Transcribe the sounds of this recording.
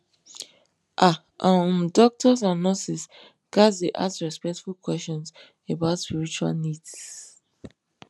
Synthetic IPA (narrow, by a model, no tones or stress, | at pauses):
ʔa | ʔãmdɔk̚tɔs̬ãnɔsis | ɡ̥asdeʔa̰sɹɛspɛk̚tfulkwɛst͡ʃɔ̃ns | ebaʊtspiɹit͡ʃua̰lnids